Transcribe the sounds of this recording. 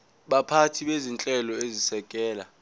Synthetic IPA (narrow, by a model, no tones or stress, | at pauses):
ɓapʰatʰiɓezint͡ɬʼɛlɔezisɛkʼɛːla